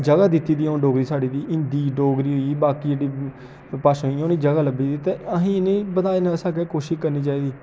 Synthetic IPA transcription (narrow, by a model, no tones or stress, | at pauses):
d͡ʒəɡaːd̪ɪt̪ːiːd̪iːõːɖoːɡɾiːsaːɖiːd̪iːʔɪnd̪iːɖoːɡɾiːɦʊiːbaːkiːd͡ʒeːɖiː | paːʃɦiːoːniːd͡ʒəɡaːləbiːd̪iːt̪eːəɦĩːnẽːbəd̪aːensaːkeːkoːʃɪʃkəɾniːt͡ʃaːiːd̪iː